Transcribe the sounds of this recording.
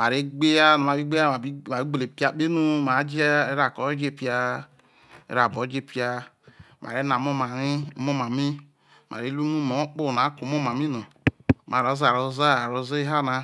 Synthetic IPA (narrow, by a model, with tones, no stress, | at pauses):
ma˨ɾe˨˦ɡ͡be˦ja˦no˨ma˨bi˦ɡ͡be˦a˦˨i˦˨a˨i˦ɡ͡be˨le˨pi˦a˧˨k͡pe˦nu˦ma˨˦d͡ʒi˦e˦ɾa˨kɔ˨˦d͡ʒe˦˨pi˦a˧ | ḛ˨ɾa˨bo˨˦d͡ʒe˦˨pi˦a˧ | mʔa̰˨ɾe˨˦na˨mo˦ma˨ɾi˦mo˦˨ma˨mi˦ | ma̰˨ɾe˨˦lu˦nu˦mo˨˦k͡po˦˨n˨a˨˦ko˨˦mo˦ma˨mi˦nɔ˨ | ma˨ɾo˨˦za˨ɾo˧za˦a˨ɾo˧ze˦ɦa˦˨na˧